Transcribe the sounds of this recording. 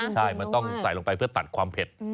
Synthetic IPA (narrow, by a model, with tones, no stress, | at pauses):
t͡ɕʰa˥˩jma˧nt̪ɔ˥˩ŋsa˨˩˦jlo˧ŋpa˧jpʰɯ˥˩ɐt̪a˨˩t̪̚kʰwaː˧mpʰe˨˩t̪̚